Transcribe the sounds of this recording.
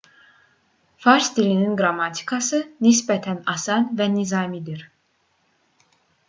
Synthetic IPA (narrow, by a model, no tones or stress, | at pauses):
fɑɾsd̪ilininɡɾamɑt̪ʰi̥kʰɑsɯnis̬bɛt̪ʰænɑsɑnvɛnizɑːmid̪iɾ̥